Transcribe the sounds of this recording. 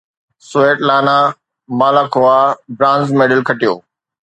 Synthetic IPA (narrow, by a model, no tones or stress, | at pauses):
soeːʈlaːna | maːlaːkʰoabɾãːnzmeːɖəlkʰɐʈijo̰ː